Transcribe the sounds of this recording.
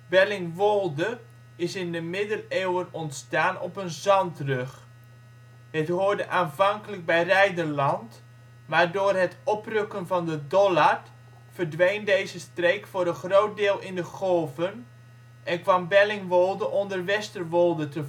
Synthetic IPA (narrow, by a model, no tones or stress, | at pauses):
bɛlɪŋʋolˠdə | ɪsɪndəmɪdəleːwənɔntstaːnɔpənzɑntrɵχ | hətɦʊːrdəʔaːnvɑŋkələɡ̚bɛjrɛjdərlɑnt | maːɹdoːrɦətɔprøkənvɑndədɔla | fərdʋejndejzəstreːkfʊːɾənχroːt̚dɪːlˠɪndəχɔlˠvən | ʔɛnkʋɑmbɛlɪŋʋɔlˠdəʔɔndərʋɛstərʋɔlˠdətə